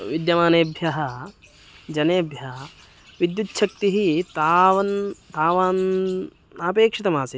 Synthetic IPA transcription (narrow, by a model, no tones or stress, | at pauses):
ʋid̪jɐmaːneːbʱjɐɦɐ | d͡ʒɐneːbʱjɐɐ | ʋid̪jutːʃɐk̚t̪iɦit̪aːʋɐnt̪aːʋaːn | aːpeːkʂit̪ɐmaːsi